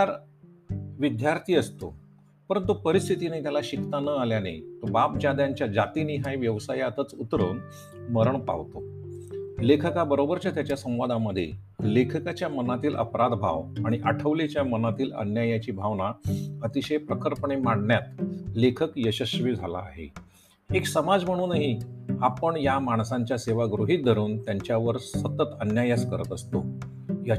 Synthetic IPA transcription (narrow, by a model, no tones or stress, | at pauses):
t̪aɾ | ʋid̪jaɾt̪ʰiːəst̪o̰ | pəɾənt̪upəɾist̪ʰit̪ineiːt̪jalaɕikt̪anəaljana̰jt̪əbap̚d͡ʑad̪jaɲt͡ɕjad͡zat̪iniːɦajʋjəʋsajat̪ət͡sut̪ɾṵːn | məɾəɳpa̰ʋt̪o | lekʰəkabəɾobəɾt͡ɕat̪jat͡ɕjasə̃w̃ʋad̪aməd̪ʱːjḛ | lekʰəkat͡ɕjamənat̪iːlʔə̰pɾad̪bʱa̰ʋaɽ̃iʔaʈʰəʋlet͡ɕjamənat̪iːlə̰njajat͡ɕiːbʱaʋnaət̪iɕejpɾəkʰəɾpəɳemaɽnjat̪lekʰəkjəɕəɕʋiːd͡zʱala̰ːɦḛ | eksəmad͡zm̤əɽ̃uːnaɦiapəɳjamaɳ̃sãɲt͡ɕjaseʋaɡɾuɦit̪̚d̪ʱəɾuːnt̪jaɲt͡ɕjaʋəɾssət̪ːət̪ənjajat͡skəɾət̪əst̪o | ja